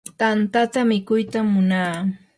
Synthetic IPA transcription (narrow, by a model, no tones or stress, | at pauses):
t̪ant̪at̪amɪkʊjt̪amːʊnaː